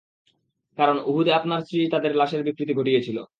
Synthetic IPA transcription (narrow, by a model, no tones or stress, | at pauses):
kaɾonuɦud̪eapnaɾsɾit̪ad̪eɾlaʃeɾbikɾit̪iɡʱoʈijet͡ɕʰilo̰